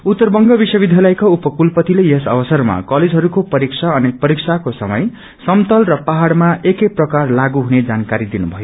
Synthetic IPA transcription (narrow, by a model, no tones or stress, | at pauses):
ut̪ːʌrbʌŋɡʌbisʌbid̪ʱjalajkaupʌkulpʌt̪ilejesʌ̰bʌsʌrma̰kʌled͡zʱɦʌɾukopʌɾiksʰaʌnek̚pʌɾiksʰakosʌ̰mʌj | sʌmt̪ʌlrʌpaɦaɽmaʔekeprʌkarlaɡuɦuned͡zankaɾid̪inubʱʌjo